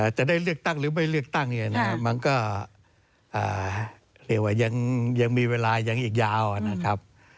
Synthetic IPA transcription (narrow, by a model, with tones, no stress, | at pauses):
ʔaː˧˩t͡ɕa˨˩daː˥˩jlɯ˥˩ək̚t̪a˥˩ŋɾɯː˩˦ma˥˩jlɯ˥˩ək̚t̪a˥˩ŋi˧˩˨na˦˥ka˦˥ma˧nkɔː˥˩ | ʔaː˨˩ | ɾi˥˩ək̚waː˥˩ja˧ŋja˧ŋmiː˧weː˧laː˧ja˨˧˩ŋʔiː˨˩k̬̚jaː˧wa˨˩na˦˥kʰa˦˥p̚